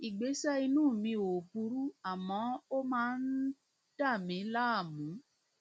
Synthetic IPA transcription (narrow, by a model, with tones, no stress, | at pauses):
i˨ɡ͡be˨˦sɛ˦i˧nũː˦˨mĩ˧o˨pu˧˦ɾu˦a˦˨mɔ̃˨˦o˦mãː˦n̩˦ | d̥a˦˨mĩ˨˦la˦˨mũ˨˦